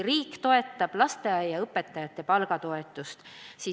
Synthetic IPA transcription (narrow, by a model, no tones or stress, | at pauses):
riːkːt̪o̞e̞t̪ːˑɑb̥lɑst̪eɑjɑɤpːˑet̪ːˑɑjɑt̪ːˑe̞pɑlɡ̥ɑt̪o̞e̞t̪ːˑust̪si